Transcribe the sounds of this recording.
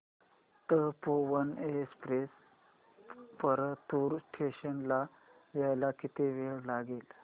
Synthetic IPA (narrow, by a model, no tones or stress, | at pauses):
t̪əpoʋənespɾes | pəɾət̪uɾsʈʰeɕənla | ʋjajlakit̪eʋeɭlaɡel